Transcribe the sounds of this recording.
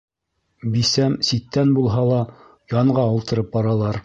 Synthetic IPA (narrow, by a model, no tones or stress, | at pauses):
bisæmsit̪ːænbulˠɦɑlˠɑ | jɑɴɢɑŭlˠt̪ɤ̆ɾɤp̚bɑɾɑlˠɑɾ